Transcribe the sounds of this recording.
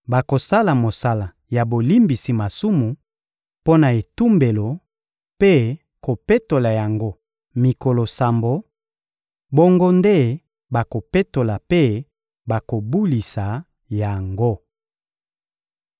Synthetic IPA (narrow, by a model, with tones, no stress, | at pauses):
ba˨ko˨sa˦la˨mo˨sa˦la˨ | ja˨bo˨li˦mbi˨si˨ma˨su˦mu˨ | po˦na˨e˨tu˦mbe˨lo˨ | pe˦ | ko˨pe˦to˨la˨ja˨ŋɡo˦ | mi˨ko˨lo˨sa˨mbo˨ | bo˦ŋɡo˦nde˦ | ba˨ko˨pe˦to˨la˨pe˦ | ba˨ko˨bu˦li˨sa˨ | ja˨ŋɡo˦